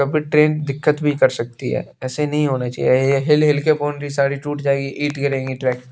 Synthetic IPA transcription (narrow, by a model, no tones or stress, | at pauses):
kɐbʱiʈɾeːnd̪ɪkːət̪bʱikɐɾsɐk̚t̪iɦɛ̰ːɛːsenɐɦĩɦoːnat͡ʃa̰ːieɦɪlɦɪlkepoːnɾisaːɾiʈuːʈd͡ʒaːeɡiʔiːʈkɐɾẽːɡiʈɾɛːk